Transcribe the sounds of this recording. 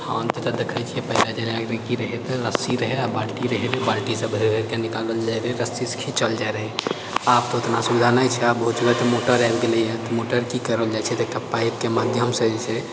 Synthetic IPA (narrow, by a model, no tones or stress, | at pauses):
hant̪et̪ɔd̪ekʰəjt͡ʃʰiɛpəɦilad͡ʒaɾeaɡɾekiɾəɦɛt̪ɔɾəsiɾəɦɛabalʈiɾəɦeɾbalʈisəbʱeɾɦeɾkenikaləld͡ʒaɾɦɛɾəsiskʰit͡ʃəld͡ʒajɾəɦɛ | ap̚t̪ɔʊt̪nasubid̪ʱanajt͡ʃʰɛabəɦut̪ubət̪ɔmoʈəɾabɡelijet̪ɔmoʈəɾkikəɾəld͡ʒajt͡ʃʰɛt̪ekəpːait̚kemad̪ʱjəmsəd͡ʒɛt͡ʃʰɛ